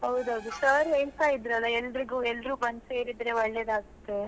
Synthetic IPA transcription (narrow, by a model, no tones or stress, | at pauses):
ɦɐwd̪ɐwd̪usɐːɾiɐjsaid̪ɾɐlːɐɛlːɾiɡuːɛlːɾuːbɐnseːɾid̪ɾe̞ʋɐɭːeːd̪aːɡut̪ːe̞